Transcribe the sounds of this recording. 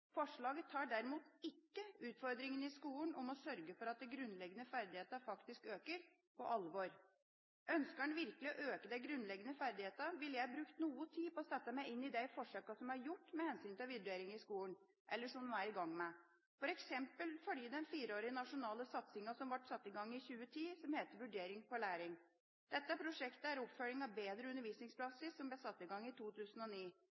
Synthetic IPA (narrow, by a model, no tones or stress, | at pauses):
fɔʂɭɑːɡət̪ʰːɑːɖæɾɪmuːt̪ɪkːəʉːt̪fɔɾd̪ɾɪŋənɪskuːlənʔɔmɔsœɾɡəfɔɾɑt̪̚d̪ɛɡɾʉnːlɛɡːənəfæɾd̪ɪheːt̪əfɑkt̪ɪskøːkəɾ | pʰɔ̰ʔɑlʋɔɾ | ʔœnskənʋɪɾkəlɪɔʔøːkəd̪æɪɡɾʉnːlɛɡənəfæɾd̪ɪheːt̪əʋɪlːəjæɪbɾʉːkt̪nuːət̪ʰiːpɔɔːsɛt̪ːəmæɪɪnːɪd̪æɪfɔʂøːkɑsɔmæɾjʊʈːmɛhɛnsyːnt̪ɪlʋɪd̪ʉeːɾɪŋɪskuːlən | ʔɛlːəʂɔmd̪æːɾɪɡɑŋːmɛ | fɔɾɛksɛmpəlfɔɖiːd̪ɛnfiːɾəoːɾɪənɑʂʊnɑːləsɑt̪sɪŋɑsɔmʋɑʈːsɑt̪ːɪɡɑŋːɪçʉːət̪ʰiːsɔmheːt̪əɾʋʉɖeːɾɪŋfɔɭæːɾɪŋ | d̪̥ɛt̪ːəæpʰɾʊʂɛkt̪əæɾɔpfœɭɪŋɑʋbeːd̪ɾəʉnːəɾʋiːsnɪŋspʰlɑsɪsːɔmblæɪsɑt̪ːɪɡɑŋːɪt̪ʰuːt̪ʰʉːsənɔniː